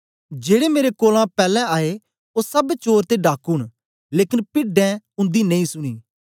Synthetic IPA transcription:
d͡ʒeːɽemeːɾekoːlãpɛːlɛ̃aːe | osɐbt͡ʃoːɾt̪eɖaːkuːɽ̃ | leːkɪnpɪɖɛ̃ʊ̃nd̪inɐĩːsʊɽ̃iː

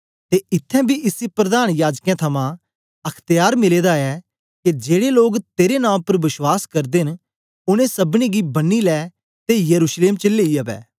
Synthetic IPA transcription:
t̪eʔɪt̪ʰːɛ̃bʱiʔɪsipɾɐd̪aːnjaːd͡ʒkjɛ̃t̪ʰɐmã | ɐkʰt̪jaːɾmɪleːd̪aɛ | ked͡ʒeːɽeloːɡt̪eːɾenãːpɐɾʋɪʃwaːskɐɾd̪eɦɪn | ʊñẽsɐbñiɡibɐnːilɛː | t̪ejɐɾuːʃleːmt͡ʃɪlːeːiɐbɛ̰ː

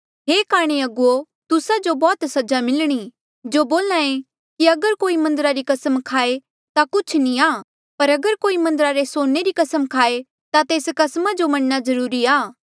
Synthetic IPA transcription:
ɦeːkaːɽ̃eɐɡʊo | t̪ʊsad͡ʒobɔːt̪sɐd͡ʒamɪlɽ̃i | d͡ʒoːboːlãẽ | kiɐɡəɾkoːimɐ̃nd̪əɾaɾikɐsəmkʰaːe | t̪akʊt͡ʃʰnĩaː | pɐɾɐɡəɾkoːimɐ̃nd̪əɾaɾesoːneɾikɐsəmkʰaːe | t̪at̪eːskɐsmad͡ʒomɐɽnazɐɾuːɾiaː

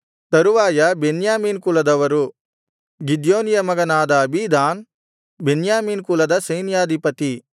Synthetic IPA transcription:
t̪ɐɾuʋaːjɐbenjaːmiːnkulɐd̪ɐʋɐɾu | ɡid̪joːnijɐmɐɡɐnaːd̪ɐːbʱid̪aːn | benjaːmiːnkulɐd̪ɐsɐjnjaːd̪ʱipɐt̪i

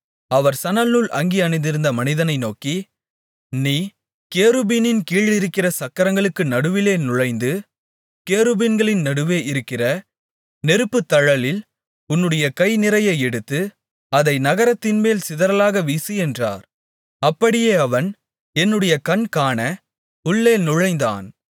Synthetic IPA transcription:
ɐʋɐɾsɐnɐlnuɭʔɐ̰ŋɡiɐnɪnd̪ɪɾɯnd̪ɐmɐnɪðɐnɐɪnoːki | niː | keːɾɯbinɪnkiːɭɪɾɯkːɪrɐsɐkːɐɾɐŋɡɐɭɯkːɯnɐɽɯʋɪleːnʊɻɐɪnd̪ɯ | keːɾɯbiːnɡɐɭɪnnɐɽɯʋeːʔɪɾɯkːɪrɐ | nɛɾɯpːɯt̪ːɐɻɐlɪl | ʊnːɯɽɐjɐkɐɪnɪɾɐjɐɪɛɽɯt̪ːɯ | ɐðɐɪnɐɣɐɾɐt̪ːɪnmeːlsɪðɐɾɐlaːɣɐʋiːsiɛndra̰ːɾ | ɐpːɐɽɪjeːɐʋɐn | ɛnːɯɽɐjɐkɐnkaːnɐ | ʊɭːeːnʊɻɐɪnd̪a̰ːn

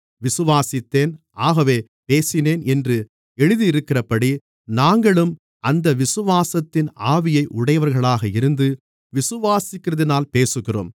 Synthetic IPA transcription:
ʋɪsɯʋaːsɪt̪ːeːnʔaːɣɐʋeː | peːsɪneːnɛndrɯ | ɛɻɯðiɪɾɯkːɪrɐpːɐɽi | naːŋɡɐɭɯm | ɐnd̪ɐʋɪsɯʋaːsɐt̪ːɪnaːʋɪjɐɪʔʊɽɐjɐʋɐɾɣɐɭaːɣɐɪɾɯnd̪ɯ | ʋɪsɯʋaːsɪkːɪrɐðɪnaːlpeːsɯɣɪro̰ːm

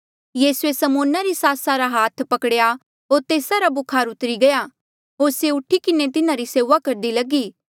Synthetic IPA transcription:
jiːsuesɐmoːnaɾisaːsaɾaɦaːt̪ʰpɐkɽja | ɦoːɾt̪eːsaɾabʊkʰaːɾʊt̪ɾiɡɐja | ɦoːɾseʊʈʰikɪnet̪ɪnãɾiseːʋakɐɾd̪ilɐɡiː

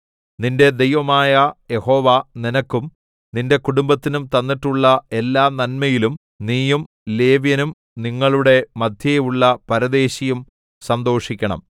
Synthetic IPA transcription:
ninde̞d̪e̞jʋɐmaːjɐje̞ho̞ːʋaninɐkːum | ninde̞kuɽumbɐt̪ːinumt̪ɐnːiʈːuɭːɐe̞lːaːnɐnmɐjilum | niːjum | le̞ːʋjɐnum | niŋːɐɭuɽe̞mɐd̪ʱjɐjejuɭːɐpɐɾɐd̪e̞ːɕɐjum | sɐnd̪o̞ːʂikʲːɐɳɐ̰m

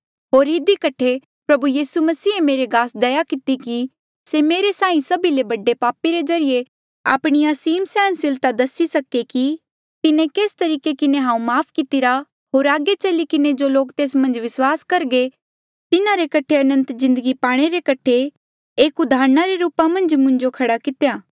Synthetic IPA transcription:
ɦoːɾɪd̪ikɐʈʰe | pɾɐbujiːsumɐsiːemeːɾeɡaːsd̪ɐjakɪt̪iki | semeːɾesãːĩsɐbilebɐɖepaːpiɾezɐɾije | a̰ːpɽ̃iɐsiːmsɛːnsɪlt̪ad̪ɐsisɐkeki | t̪ɪnẽkeːst̪ɐɾiːkekɪnẽɦãːũmaːpʰkɪt̪ɪɾa | ɦoːɾaːɡet͡ʃɐlikɪned͡ʒoːloːkt̪eːsmɐ̃nd͡ʒʋɪswaːskɐɾɡe | t̪ɪnaɾekɐʈʰeɐnə̃nt̪zɪ̃nd̪əɡipaːɽ̃eɾekɐʈʰe | eːkʊd̪ʱaːɾnaɾeɾuːpamɐ̃nd͡ʒmʊ̃ɲd͡ʒokʰɐɽakɪt̪ejaː

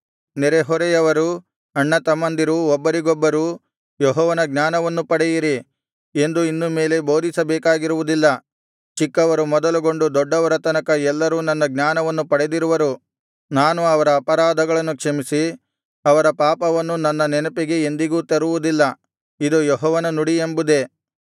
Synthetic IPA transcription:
nɛɾeɦɔɾejɐʋɐɾu | ɐɳːɐt̪ɐmɐnd̪iɾuɔbːɐɾiɡɔbːɐɾuː | jɔɦɔːʋɐnɐɡnaːnɐʋɐnːupɐɽɛjiɾi | e̞nd̪uinːume̞ːle̞bo̞ːd̪ʱisɐbɛːkaːɡiɾuʋud̪ilːɐ | t͡ʃikːɐʋɐɾumɔd̪ɐluɡo̞ɳɖud̪ɔɖːɐʋɐɾɐt̪ɐnɐkɐɛlːɐɾuːnɐnːɐɡnaːnɐʋɐnːupɐɽed̪iɾuʋɐɾu | naːnuɐʋɐɾɐːpɐɾaːd̪ʱɐɡɐɭɐnːukʂɐmisi | ɐʋɐɾɐpaːpɐʋɐnːunɐnːɐnɛnɐpiɡe̞ːnd̪iɡuːt̪ɐɾuʋud̪ilːɐ | id̪ujɔɦɔːʋɐnɐnuɽiembud̪e̞

